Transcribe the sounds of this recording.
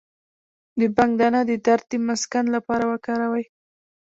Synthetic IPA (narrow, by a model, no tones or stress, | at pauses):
d̪əbaŋɡd̪anad̪əd̪aɾt̪̚əmʊskanlapɑɾawəkɑɾawaj